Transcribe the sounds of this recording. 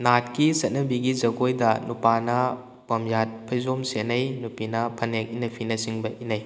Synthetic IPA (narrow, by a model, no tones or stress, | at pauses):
nat̚kisɐt̚nɐbiɡizɐɡojdɐnupanɐ | pɐmjat̚pʰɐjzomsenɐjnupinɐpʰɐnek̚inɐpʰinɐsiŋbɐʔinɐj